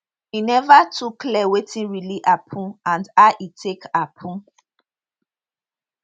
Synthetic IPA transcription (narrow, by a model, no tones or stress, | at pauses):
inɛvatʰukːlɛwetʰĩnɹiliʔapʰũãndaʔitʰekapʰũ